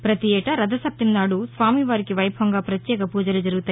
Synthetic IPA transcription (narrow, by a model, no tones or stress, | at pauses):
pɾɐt̪iɛːʈɐɾɐd̪ɐsɐp̚t̪imnaːɽusʋaːmiʋaːɾikiʋɐjbʱʋɐŋɡaːpɾɐt̪jɛːkɐpuːd͡ʒɐlud͡ʒɐɾuɡut̪aːj